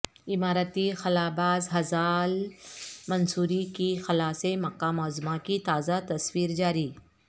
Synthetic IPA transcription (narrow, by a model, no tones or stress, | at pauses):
ɪmaːɾət̪ixɐlaːbaːzɦɐzaːl | mɐnsuːɾikixɐlaːsemɐkːamɔːzmakit̪aːzat̪ɐswiːɾd͡ʒaːɾiː